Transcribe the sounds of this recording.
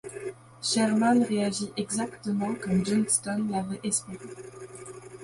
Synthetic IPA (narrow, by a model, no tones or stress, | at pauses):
ʃɛʁmanʁeaʒiʔɛɡzakt̪əmɑ̃kɔmd͡ʒɛnst̪ɔnlavɛʔɛspeʁe